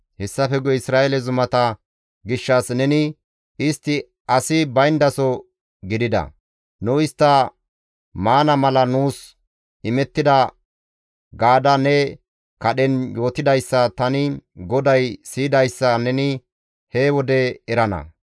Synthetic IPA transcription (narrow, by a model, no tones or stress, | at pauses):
hɛsːɐfɛɡɔɪsɾaːɛlɛzʊmɐt̪ɐ | ɡɪʃːɐsnɛnɪ | ɪst̪ːɪ | ɐsɪbɐjnd̪ɐsɔ | ɡɪd̪ɪd̪ɐ̰ | nʊɪst̪ːɐ | maːnɐmɐlɐnuːs | ɪmɛt̪ːɪd̪ɐ | ɡaːd̪ɐnɛ | kɐɗɛnjo̞ːt̪ɪd̪ɐjsːɐt̪ɐnɪɡɔd̪ɐjsiːd̪ɐjsːɐnɛnɪ | hewɔd̪ɛɛɾɐnɐ̰